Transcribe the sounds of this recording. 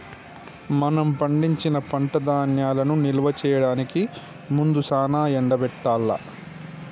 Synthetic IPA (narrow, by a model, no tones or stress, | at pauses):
mɐnɐmpɐɳɖiɲt͡ʃinɐpɐɳʈɐd̪aːnjaːlɐnuniluʋɐt͡ʃɛːjɐɽaːniki | mund̪usaːnaːɛɳɖɐbɛʈːaːlːɐ̰